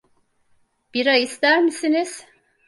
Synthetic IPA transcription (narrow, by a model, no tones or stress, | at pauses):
b̥iɾajist̪æɾmisiniz̥